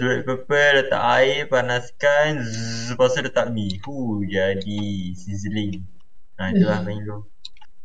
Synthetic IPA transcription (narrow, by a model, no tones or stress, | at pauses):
suɾɛt̪̚pəpələt̪a̰ʔaɪpanaskanzzəpasadət̪aʔ̚mihud͡ʒadisizəliŋ | at̪ulahmaiŋlo